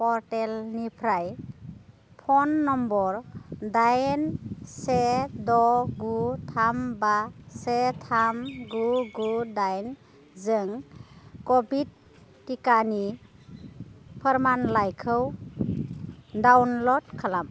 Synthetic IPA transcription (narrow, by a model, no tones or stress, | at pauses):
pɔɾtelnipʰɾaj | pʰɔnːɔmbɔɾdajnsedɔɡutʰambasetʰamɡuɡudajn | zɯŋkɔbid̚ː | ikani | pʰəɾmanlajkʰɯw | dawnlɔd̚kʰalam